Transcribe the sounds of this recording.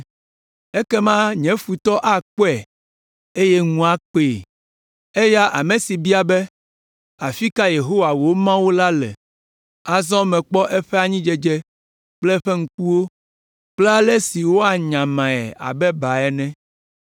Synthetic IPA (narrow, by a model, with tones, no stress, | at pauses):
ɛ˦kɛ˦mã˦ɲɛ̃˨˦fu˨t̪ɔ˦ʔa˦k͡po˦ɛ˨ | e˦jɛ˦ŋũ˦a˦k͡pe˨ | ɛ˦ja˦ʔa̰˨mɛ̃˨si˨bi˦a˨bɛ˦ | a˨fi˦ka˦je˨ɦo˦wa˨wo˨˦mã˦wu˦la˦lɛ̰˨ | a˨zɔ̃˦mɛ̃˨k͡pɔ˦ʔɛ˦ɸɛ˦a˨ɲĩ˦d͡ʒɛ˦d͡ʒɛ˦ | k͡plɛ˦ɸɛ˦ŋ̩˦ku˦wo˦ | k͡plɛ˦a˦lɛ˦si˨wo˦a˨ɲã˨mã˨ɛ̰˨a̰˨bɛ˦ba˨ɛ˨nɛ̃˦